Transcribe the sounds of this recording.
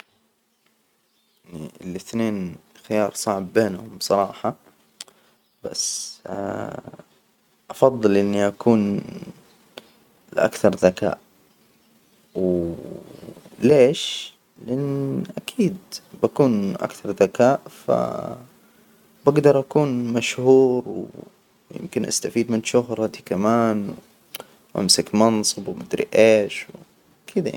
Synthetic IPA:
niɪlɪθneːnxɪjɑːɾˤsˤɑʕbːeːnhʊmbsˤɑɾˤɑːħɑ | b̥a̰sː | ʔɑfɑðˤːɨlʔɪnːiʔakuːn | ʔa̰kθɑɾˤðaka̰ːʔ | w | leːʃ | lɪʔɪnːʔakʰiːd̪bakuːnʔa̰kθɑɾˤðakaːʔfa̰ | baɡd̪ɑɾˤʔakuːnmaʃhuːɾw | jɪ̰mkɪnʔa̰st̪afiːd̪mɪnʃʊɦɾˤɑt̪ikamaːnw | ʔa̰msɪkmɑnsˤɨbwmɪd̪ɾḭʔeːʃw | kʰiːd̪aa̰

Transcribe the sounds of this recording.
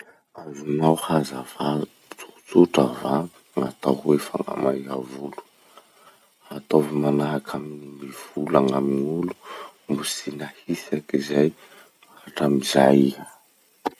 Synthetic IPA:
azunawhazava | t͡su̥t͡suʈ͡ʂava | ŋat̪aɦwefa̰ŋa̰majavulu̥ | hat̪ovimanaɦakʰaminimiv̥ulaŋamiŋulu̥mbusinahisakizaj | aaʈ͡ʂamizaja

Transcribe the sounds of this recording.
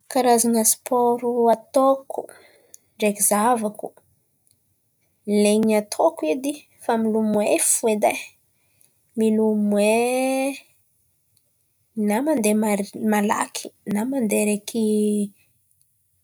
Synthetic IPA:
kaɾazanəspʰoɾuat̪oku | ɳɖ͡ʐekizavaku | leɲat̪ʰokuid̪i | familumwefued̪a | milumwe | namand̪emala̰kʰi̥namand̪eɾekʰi

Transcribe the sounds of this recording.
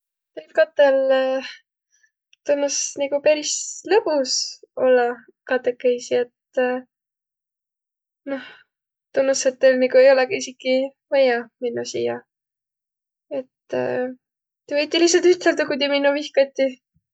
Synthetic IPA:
tejp̚kɑt̪ːˑel | t̪unːusnikupæɾislɤpuso̞lːɑ | kɑt̪ːˑekːˑejsiet̪ | no̞h | t̪unːuset̪ːelniɡue̞jo̞lɛɡɑisikːi | væjɑminːusḭjɑ | e̞t̪ː | t̪evɤjt̪ʲːˑilihts̬ɑlt̪yt̪eld̪ɑkud̪ʲiminːuvihkɑt̪ʲːi

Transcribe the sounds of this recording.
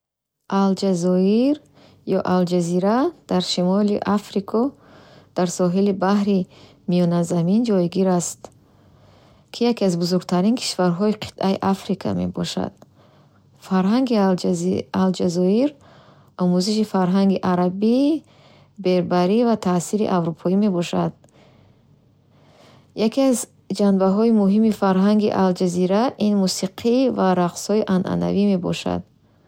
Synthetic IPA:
ʔald͡ʒazɔiɾ | jɔʔald͡ʒaziɾad̪̥aɾʃimɔlḭʔafɾikʰɔ | d̪̥aɾsɔɦilibahɾi | mijɔnazamind͡ʒɔjɡiɾast̪ | kʰijakiazbuzuɾɡ̚t̪ʰaɾinkʰi̥ʃvaɾɦɔiqʰi̥t̪ʔaḭʔafɾikʰa̰me̞̰bɔ̰ʃa̰d̪̥ | faɾɦaŋɡi | ald͡ʒazɔiɾ | ɔmuziʃifaɾɦaŋɡiʔaɾabi | be̞ɾbaɾivat̪ʰasiɾḭʔavɾupʰɔime̞bɔʃad̪̚ | jakʰiaz | d͡ʒanbaɦɔimuɦimifaɾɦaŋɡḭʔald͡ʒaziɾaʔinmusiqʰivaɾaqshɔiʔanʔa̰na̰vime̞bɔ̰ʃa̰d̪̚

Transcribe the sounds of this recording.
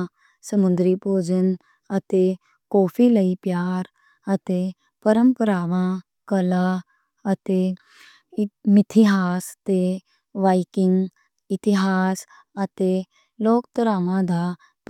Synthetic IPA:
səmund̪ɾipoːd͡ʒən | ɐt̪e | koːfiləipjaːɾ | ɐt̪e | pəɾəmpəɾaːʋã | kɐla | ɐt̪e | mit̪ʰiɦaːst̪e | ʋajkiŋɡ | it̪iɦas | ɐt̪e | loːkt̪ɐɾaʋãd̪ʱa | p

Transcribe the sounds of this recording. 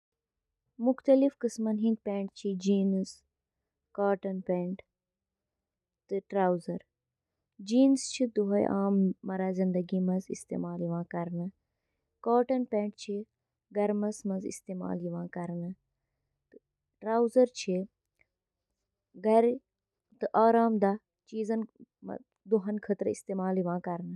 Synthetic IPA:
mʊxt̪ɐlifkɨsmɐnɦĩnɡ̪̚pẽːɳʈt͡ʃʰid͡ʒiːnɨs | kaːʈɐnpeːɳʈ | t̪ɨʈɾaːwzɐɾ | d͡ʒiːnst͡ʃʰid̪uɦɐj̰ʔaːmːɐɾaːzind̪ɐɡimɐzḭst̪ḛːmaːljiʋãːkɐɾnɨ | kaːʈɐnpẽːɳʈt͡ʃʰi | ɡɐɾmɐsmɐzḭst̪eːma̰ːliʋãːkɐɾnɨ | t̪ɨ | ʈɾaːwzɐɾt͡ʃʰi | ɡɐɾ | t̪ɨʔaːɾaːmd̪a | t͡ʃiːzɐn̰ | d̪uɦɐnkʰɐt̪ɾəist̪eːmaːliʋãːkɐɾnɨ

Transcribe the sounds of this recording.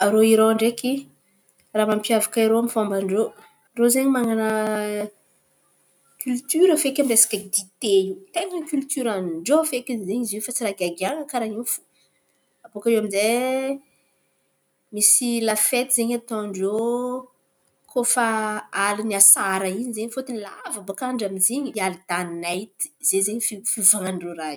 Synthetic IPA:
aɾoiɾoaɳɖ͡ʐeki | raːmampjavakaiɾoamifambaɳɖ͡ʐo | rozeɲimaŋanə | kʲʰylt̪yɾəfekamiresḁkʲəd̪it̪et̪eŋəkʲylt̪yɾaniɳɖ͡ʐoafekinzeɲiziwfat͡siɾaɡaɡiaŋəkaɾaifu̥ | apokaewaminze | misilafet̪izeɲat̪õɳɖ͡ʐo | kʰofaaliniasaɾəiɲizeɲfot̪inila̰vəbakaɳɖ͡ʐamizeɲialid̪̥aninajt̪i̥z̥ezeɲfifivaŋanroɾaj

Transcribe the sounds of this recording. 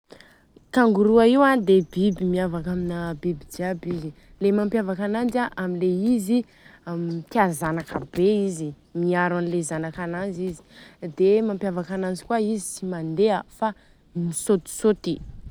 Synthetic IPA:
kaŋɡuɾuaiwad̪ebibimiavakaminabibid͡ʒiabizi | lemampjavakanand͡ʒaʔamileizi | t̪iazanakəbeizi | miaɾanilezanakananzizi̥d̪emampjavakanand͡ʒi̥kwaizi̥simand̪eəfa | misot̪i̥sot̪i

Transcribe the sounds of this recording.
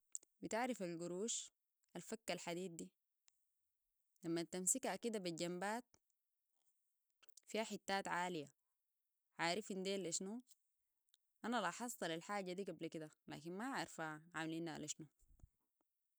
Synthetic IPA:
bit̪aʕɾifalɡuɾuːʃ | ʔalfakːalħad̪iːd̪̚d̪i | lamːat̪ːamsikakid̪abiɟambaːt̪ | fihaħit̪ːaːt̪ʕaːlija | ʕaːɾifind̪eːlʔaʃnu | ʔanalʔɑħɑsˤːɑlalħaːɟad̪iːɡablakid̪ala̰ːkinmaʕaɾfaʕʕamaliːnaa̰lʔaʃnu

